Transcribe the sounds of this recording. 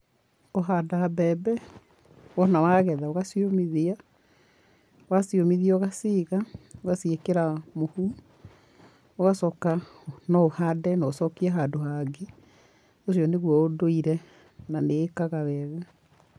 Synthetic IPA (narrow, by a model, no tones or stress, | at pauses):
oɦaːdaabɛːbɛ | wɔnawaɣɛðaoɣasiomiðia | wasiomiðiɔɣasiɣaoɣasiekeɾamohu | oɣasɔːkanɔohadɛnɔosɔkiɛɦadoɦaɡe | os̬iɔneɣwɔodoiɾɛ | naneːkaɣaβɛːɣa